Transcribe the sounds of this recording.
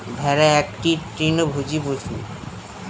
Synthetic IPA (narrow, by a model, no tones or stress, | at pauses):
bʱɛɾaɛk̚ʈitɾinobʱod͡ʑipoʃḭ